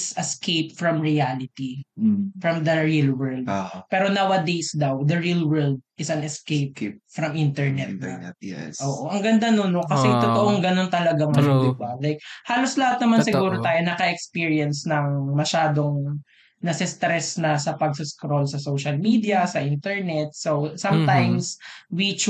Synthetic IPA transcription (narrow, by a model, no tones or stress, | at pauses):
sɛskʰejpfɹɐmɹialɪt̪ifɹɐmd̪ɐɹilwɛɹld̪̚pɛːɾonawɐd̪ejsd̪ɐwd̪ɐɹilwɛɹld̪̚ʔɪsɐnɛskejp̚fɾɐmʔint̪ɛɹnɛt̪a̰ʔoːʔoʔɐŋɡɐnd̪anonokɐsɛɪt̪ot̪oʔoŋɡɐno̞nt̪ɐlɐɡaŋmɐjod̪ɪbalajk̚haːloslɐhat̪̚nɐmansɪɡuːɾot̪aːjonɐkɐʔɛkspiɹiɐnsnɐŋmɐʃaːd̪oŋ | nɐsɪst̪ɾɛsnɐsɐpɐɡ̚sɪskɾo̞lsɐsowʃɐlmid̪iɐsɐʔint̪ɛɹnɛt̪̚sowsɐmt̪ajmswit͡ʃ